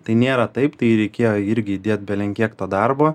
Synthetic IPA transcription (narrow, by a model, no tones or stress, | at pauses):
t̪ɐɪnʲeːɾɐt̪ɐɪpt̪ɐɪɾʲɛɪkʲeːjoːɪɾʲɡʲɪid̪ʲeːt̪̚ʲbʲɛlʲɛŋʲkʲiːkt̪oːd̪ɐɾboː